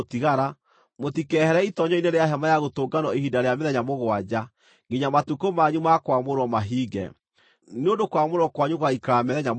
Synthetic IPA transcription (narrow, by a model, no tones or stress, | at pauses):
tiɣaɾa | motikɛhɛɾɛitɔɲɔineɾeaɦɛmajaɣotoːɡanɔehidaɾeameðɛɲamoɣwad͡ʑa | ŋɡiɲamatukomaɲumakwamoɾɔmaɦiːɡɛ̰ | neondokwamoɾɔkwaɲuɣwaikaɾamɛðɛɲam